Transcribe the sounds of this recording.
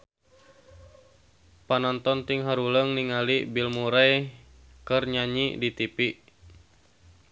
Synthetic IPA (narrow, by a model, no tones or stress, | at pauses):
panɔnt̪ɔnt̪iŋɦaɾuləŋniŋalibilmuɾaj | kɨrɲaɲidit̪ipiʔ